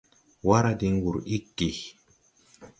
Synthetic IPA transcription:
wa˦ɾa˦di˦ŋ˦ɡu˨ɾi˦kːi˨

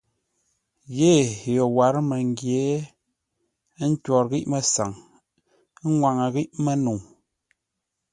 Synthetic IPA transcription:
je˦˨jɔ˨wa˨ɾmə˨ŋ˦ɡje˨˦ | n̩˦twɔ˨ɾɣi˦ʔmə˨sa˨ŋ˦ | ŋwa˨ŋə˨ɣi˦ʔmə˦nu˨ŋ

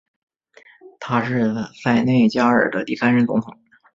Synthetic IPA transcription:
t̪ʰa˥ʂɻ̩˥˧t͡sa˥˩˧ɪne˥˩ɪt͡ɕja˥ə̰˞˨˩d̪ə̰˦t̪i˥˩sa˥nʂɻə˧˥nt͡sʊ˧˥ŋt̪ʰʊ˨˩˦ŋ

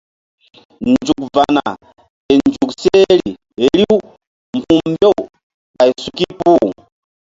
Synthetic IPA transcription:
nd͡ʒu˨k̚va˨na˨ | tɛ˨nd͡ʒu˨ksɛ˦li˨ | ɛ˨li˦u˦ | m̩˨pu˦mbɔ˦ | ka˨i˨su˨ki˦pu˦˨

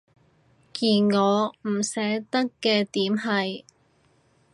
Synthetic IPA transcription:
kiː˨nŋɔː˨˧m̩˨˩sɛː˨˥t̪ɐ˥kːɛː˧t̪iː˨˥mɦɐ˨j

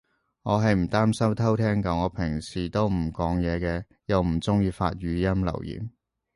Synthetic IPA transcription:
ŋɔː˨˧ɦɐ˨jm̩˨˩t̪aː˥msɐ˥wt̪ʰɐ˥wt̪ʰɛː˥ŋkɐ˨˥ŋɔː˨˧˥pʰɪ˨˩ŋsiː˨t̪o˥wm̩˨˩kɔː˨˥ŋjɛː˨˧kɛː˧ | jɐ˨˧wm̩˨˩t͡sʊ˥ŋjiː˧fa̰ː˧t̚ɥyː˨˧jɐ˥mlɐ̰˨˩wjḭː˨˩m

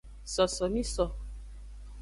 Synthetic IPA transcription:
sɔ˨sɔ˨mĩ˦sɔ˨

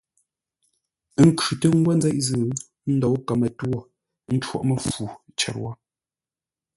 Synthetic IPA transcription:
ŋ̩˨kʉ˨tə˦ŋ̩˦ɡwa˦n˦d͡zɛ˦ʔzɨː˨ | n̩˦dɔ˨wka˨mə˨two˦˨ | n̩˦t͡ʃwɔ̰˦ʔmə˨fu˨t͡ʃɛ̰˨ɾwɔ˦

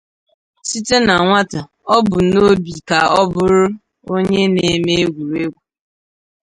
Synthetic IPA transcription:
si˦te˦na˨ŋʷa˦ta˨ | ɔ˦bʊ˨no˦bi˨ka˨ɔ˦bʊ˦ɾʊ˦ | o˦ɲe˦ne˨me˦e˦ɡʷu˨ɾe˦ɡʷu˨

